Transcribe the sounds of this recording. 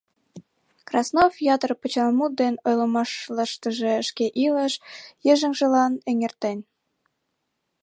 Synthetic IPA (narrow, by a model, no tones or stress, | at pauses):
krɑsnofjɑt̪ərpə̆t͡ɕɑlmut̪̚d̪enojləmɑʃləʃt̪ə̆ʒeəʃkeʔiləʃjəʒə̆ŋʒə̆lɑneŋert̪enʲ